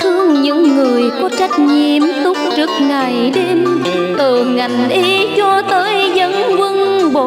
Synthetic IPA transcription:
h̪ɨ˧əŋɲɨ̰˧˥ŋːɨ˨˩əjkɔ˧˦t͡ɕa˦˥jk̚ɲi˧˨˩əmt̪ʊ˦˥k͡p̚t͡ɕɨ˦˥ək̚ŋa˨˩jɗe˧m | t̪əː˨˩ŋa˨˩jŋʔe˧˦t͡ɕɔ˧t̪əː˨˦jzə̰˧˨˥nvɨ˧ŋɓo˧˨˦

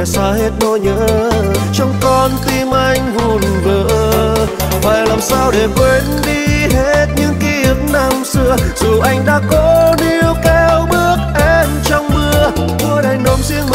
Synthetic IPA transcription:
saː˧˩he˦˥t̚nɔ˧jɲə̰ː˧˥t͡ɕɔ˧wŋ͡mkɔ˧nt̪i˧mʔa˧jŋ̟vu˨˧˩nkəː˧˨ | va̰ː˨˩jlaː˨˩msaː˧wɗe˨˩kwe˧˦nɗi˧ɦe˦˥t̚ɲɨ̰˧˥ŋki˧˦ʔɨ˨˦ŋna˧˩ŋsɨ˧əz̥u˨˩ʔa˧jŋ̟ɗa̰ː˧˥kɔ˨˦ni˧wkɛ˧wɓɨ˦˥ək̚ʔɛ˧nt͡ɕɔ˧wŋ͡mmɨ˧ə | t̪u˧jɗa˨˩jŋ̟ɗo˨˦mzi˧ənm

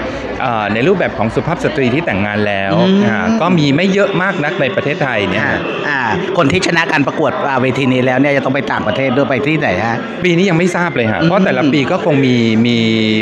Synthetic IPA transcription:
ʔɤː˨˩na˧jɾu˥˩p̚bɛː˨˩p̚kʰɔː˩˦ŋsu˨˧˦pʰaː˥˩p̚sa˧t̪ɾiː˧t̪ʰiː˥˩t̪ɛ˨˩ŋːaː˧nlɛː˦˥wkɔː˥˩miː˧ma˥˩jːɤ˦˥ʔmaː˥˩k̚na˦˥k̚na˧jpɾa˧t̪ʰeː˥˩t̪ʰːa˧jni˥˩˥ | ʔaː˧˩kʰo˧nt̪ʰiː˥˩t͡ɕʰa˧na˦˥kaː˧npɾa˧ku˨˩ət̪̚ʔaː˨˩weː˧t̪ʰiː˧niː˦˥lɛː˦˥wni˥˩a˨˩t̪ɔ˥˩pa˧jt̪aː˨˩ŋpɾa˧t̪ʰeː˥˩t̪̚du˧jpa˧jt̪ʰiː˥˩na˩˦jkʰa˦˥ʔ | piː˧niː˦˥ja˧ŋma˥˩jsaː˥˩p̚lɤː˧jkʰa̰˦˩ʔʰt̪ɛː˨˩la˦˥piː˧kɔː˥˩kʰo˧ŋmiː˧miː˧

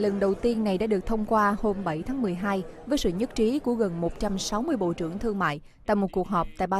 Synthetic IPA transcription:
lə˨˩nɗə˨˩wt̪i˧ənːa˨˩jɗa̰ː˧˥ɗɨ˨˩ək̚t̪ʰə˧wŋ͡mkwaː˧ho˧mɓə˧˩jt̪ʰaː˨˦ŋmɨ˨˩əjɦaː˧jvəː˨˦jsɨ̰˧˨ɲə˦˥t̚t͡ɕi˨˦ku˧˩əɣə˨˩nmo˨˩t̚t͡ɕa˧msa˨˦wmɨ˧əjɓo̰˧˨t͡ɕɨ̰˧˩əŋt̪ʰɨ˧əŋma̰ː˧˨j | t̪a̰ː˧˨jmo˨˩t̚ku˨˩ək̚ɦɔː˨˩p̚t̪a̰ː˧˨jɓaː˧

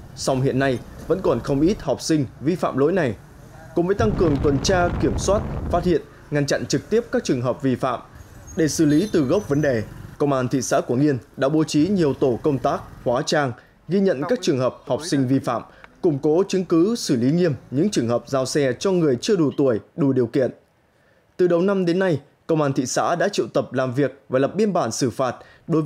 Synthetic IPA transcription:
sa˧wŋ͡mhḭ˧˨ənːa˧jvə̰˧˥nkɔ˨˩nxə˧wŋ͡mʔi˦˥t̚hɔ˨˩wk͡p̚sï˧ŋ̟vi˧fa̰ː˧˨mlo̰˧˥jna˨˩j | kṵ˧˥ŋ͡mvəː˨˦jt̪a˧ŋkɨ˨˩əŋt̪wə˨˩nt͡ɕaː˧ki˧˩əmswaː˦˥t̚fa˦˥t̚hḭ˧˨ən | ŋa˧nt͡ɕa̰˧˨nt͡ɕɨ˨˩k̚t̪i˦˥əp̚kaː˦˥k̚t͡ɕɨ˨˩əŋɦəː˨˩p̚vi˧fa̰ː˧˨m | ɗe˧˩sɨ˧˩li˨˦t̪ɨ˨˩ɣə˦˥wp̚və˨˦nɗe˨˩kə˧wŋ͡mʔaː˧nt̪ʰḭ˧˨sa̰ː˧˥ku˧˩əŋi˧ənɗa̰ː˧˥ɓo˨˦t͡ɕi˨˦ɲi˨˩əwt̪o˧˩kə˧wŋ͡mt̪aː˦˥k̚hwaː˨˦t͡ɕaː˧ŋ | ɣi˧ɲə̰˧˨nkaː˦˥k̚t͡ɕɨ˨˩əŋɦəː˨˩p̚hɔ˨˩wk͡p̚sï˧ŋ̟vi˧fa̰ː˧˨mkʊ˧˩ŋ͡mko˨˦t͡ɕɨ˨˦ŋkɨ˨˦sɨ˧˩li˨˦ŋi˧əmɲɨ̰˧˥ŋt͡ɕɨ˨˩əŋhəː˨˩p̚zaː˧wsɛ˧t͡ɕɔ˧ŋɨ˨˩əjt͡ɕɨ˧əɗu˨˩t̪u˧˩əjɗu˨˩ɗi˨˩əwkḭ˧˨ən | t̪ɨ˨˩ɗə˨˩wna˧mɗe˨˦nːa˧j | kə˧wŋ͡mʔaː˧nt̪ʰḭ˧˨sa̰ː˧˥ɗa̰ː˧˥t͡ɕḭ˧˨wt̪ə˨˩p̚laː˨˩mvi˨˩ək̚vaː˨˩lə˨˩p̚ɓi˧ənɓaː˧˩nsɨ˧˩faː˨˩t̚ | ɗo˨˦jv

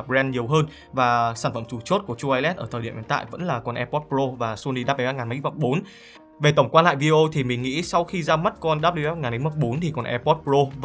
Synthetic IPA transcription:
ɾɛ˧nɲi˨˩əwɦəː˧n | vaː˨˩saː˧˩nfə˧˩mt͡ɕu˨˩t͡ɕo˦˥t̚ku˧˩ət͡ɕu˧ʔaː˧jlɛ˦˥t̚ʔəː˧˩t̪ʰəː˨˩ɗi˧˩əhḭ˨˦nt̪a̰ː˧˨jvə̰˧˥nlaː˨˩kɔ˨˩nʔɛ˧pɔ˦˥t̚pɾo˧vaː˨˩su˧ni˧ɗaː˦˥ma˧˩a˧ŋaː˨˩ma̰˨˧˥va˦˥k͡p̚ɓo˨˦n | ve˨˩t̪ə˧˩wŋ͡mkwaː˧nla̰ː˧˨jvi˧e˧ʔo˧t̪ʰi˨˩mï˨˩ŋ̟ŋḭ˧˥sa˧wxi˧zaː˧m˦˥t̚kɔ˧nɗaː˦˥p̚li˧ʔɛ˦˥p̚ŋaː˨˩ne˨˦mɔ˦˥k͡p̚ɓo˨˦nt̪ʰi˨˩kɔ˨˩nʔɛ˧pɔ˦˥t̚pzo˧

